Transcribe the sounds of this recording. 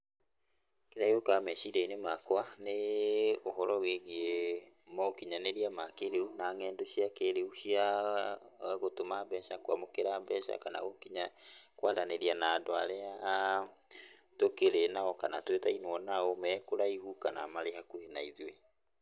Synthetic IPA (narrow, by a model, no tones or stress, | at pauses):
keɾaiokamɛʃidainemakwaneoɦɔɾɔweɣe | mɔokiɲaneɾiamakeɾeunaŋɛːndoɕiakeɾeuɕia | ɣotomambɛʃakwamokeɾabɛʃa̰kana̰ɣokiɲakwaðaneɾianaːdoaɾea | tokeɾenaɔkana̰twetainwɔnaomɛkoɾaihukanamaɾeɦakuhenaiðwe